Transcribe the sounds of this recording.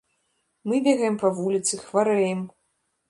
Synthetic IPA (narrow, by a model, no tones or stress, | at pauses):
mɨbʲɛɣɐjɛmpɐvulʲit̪sɨxvaɾɛjɛm